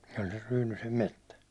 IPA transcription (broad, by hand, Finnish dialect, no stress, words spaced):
se olʲ ser ryːnysem metːæ